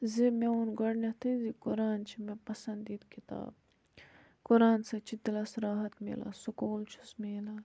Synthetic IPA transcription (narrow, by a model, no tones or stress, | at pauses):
zimeunɡɐɽnɐt̪ʰɐzikʊɾaːnt͡ʃʰimepɐsɐnd̪it̪kit̪a̰ːb | kʊɾaːnsɐt͡ʃʰid̪ilɐsɾaːɦɐt̪mḛla̰sukoːlt͡ʃʰu̥smeːlaː